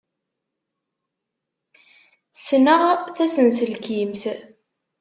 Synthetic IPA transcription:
snəʁθæsənsəlkimθ

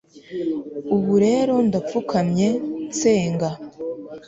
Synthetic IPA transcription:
uβuɾe̞ːɾo̞ndafukʰamɲe̞nt͡se̞ːŋɡa

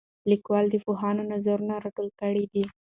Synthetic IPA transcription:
likwɑld̪əpoɦɑnonazaɾunaɾaʈolkəɽid̪i

